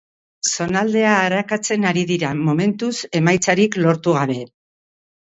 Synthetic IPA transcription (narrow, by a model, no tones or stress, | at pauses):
so̞nald̪e̞aːɾakat͡se̞naɾiðiɾamo̞me̞nt̪use̞majt͡saɾiklo̞ɾt̪uɣ̞aβe̞